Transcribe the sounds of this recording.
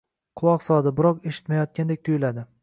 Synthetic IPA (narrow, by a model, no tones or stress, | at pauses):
qʰʊlˠɒqsɒd̪ɪbɪɾɒqeʃɪ̥t̪majɒt̪̚kʲand̪e̞k̚ʲt̪ʰʊjɪlad̪ɪ